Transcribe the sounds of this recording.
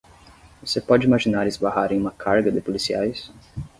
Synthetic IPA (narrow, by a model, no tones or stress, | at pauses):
vosepɔd͡ʒɪimaʒinaɾɪzbaɦaɾẽj̃ũmɐkʰaɾɡɐd̪ɪpolisiajs